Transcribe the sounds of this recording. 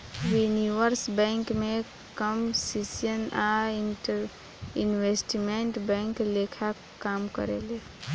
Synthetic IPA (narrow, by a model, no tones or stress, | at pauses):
juniʋəɾsbɛ̃ŋkme | kəmsisijənaiɾ | inwesʈimeɳʈbɛ̃ŋklekʰa | kamkə̰ɾele